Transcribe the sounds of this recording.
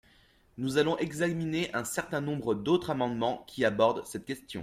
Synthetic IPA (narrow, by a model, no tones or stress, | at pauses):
nuzalɔ̃ʔɛɡzamineʔɛ̃sɛʁt̪ɛ̃nɔ̃bʁəd̪ot̪χamɑ̃d̪mɑ̃kʲʰiabɔʁd̪sɛt̪̚kʲɛst̪jɔ̰̃